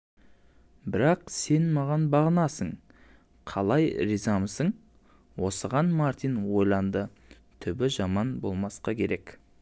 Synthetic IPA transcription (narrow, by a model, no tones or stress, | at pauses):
bɪɾɑqse̞nmɑʁɑnbɑʁənɑsəɴ | qʰɑlˠɑjɾizamsəɴ | wo̞səʁɑnmɑɾt̪ijnwo̞jlˠɑnd̪ə | t̪ʰʏbɪʒɑmɑnbo̞̰lˠmɑsqɑkʲʰe̞ɾe̞k